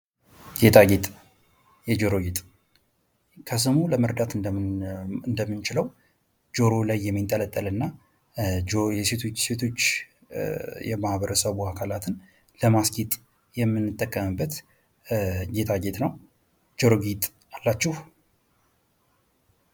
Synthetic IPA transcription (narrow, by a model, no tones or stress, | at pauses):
ɡet̪ʰaɡet̪ʼ | jɛd͡ʒoɾoɡit̪ʼ | kʰəs̬ɨmuləməɾd̪at̪ɨ | ɨnd̪əmːɨnt͡ʃɪləw | d͡ʒo̞ɾo̞lajːɛmːint̪ʼələt̪ʼːəlɨnːa | jɛset̪ʰose̞t̪ʰo̞t͡ʃː | jɛmahbəɾəsəβuakʰalat̪ʰɨn | ləmasɡit̪ʼ | jɛmːɨnːɨt̪ʼːəkʼːəmɨbːət̪ | ɡe̞t̪ʰaɡet̪ʼnəw | d͡ʒoɾoɡit̪ʼ | alːat͡ʃːɪh